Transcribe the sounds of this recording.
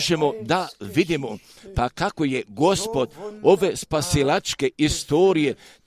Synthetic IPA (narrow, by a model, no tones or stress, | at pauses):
ʒemo̞d̪aʋid̪imo̞ | pakako̞je̞ɡo̞spo̞d̪o̞ʋe̞spasilat͡ʃke̞ist̪o̞ːɾije